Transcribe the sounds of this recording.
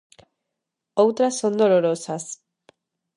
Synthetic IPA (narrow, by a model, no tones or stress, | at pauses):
owt̪ɾasːond̪oloɾosas